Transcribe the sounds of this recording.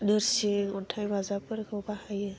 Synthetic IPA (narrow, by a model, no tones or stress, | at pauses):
nɯɾsiŋɔtʰajbazapɯɾkʰɯbahajɯ